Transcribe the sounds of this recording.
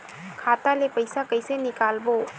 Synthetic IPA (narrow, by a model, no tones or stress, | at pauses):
kʰatalepɐjsakəjsenikalbo